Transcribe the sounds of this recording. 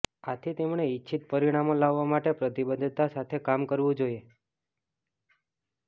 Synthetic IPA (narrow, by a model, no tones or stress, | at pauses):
at̪ʰit̪emɳ̃eitːʃʰit̪̚pəɾiɽ̃amolaʋːamaʈepɾət̪ibəd̪ʱt̪asat̪ʰekamkəɾʋũd͡ʒoje